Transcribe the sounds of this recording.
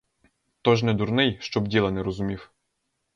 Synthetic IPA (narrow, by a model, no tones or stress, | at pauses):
t̪ɔʒnɛd̪urnɪjʃt͡ʃɔbdʲilˠɐnɛɾɔzʊmʲiw